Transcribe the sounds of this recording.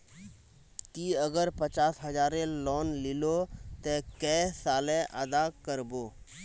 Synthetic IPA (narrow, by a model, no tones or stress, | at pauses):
t̪iəɡəɾpət͡ʃaːsɦəd͡ʒaːɾẽlɔːnlɪlot̪ekɛsaːlɛ̃ʔəd̪akəɾboː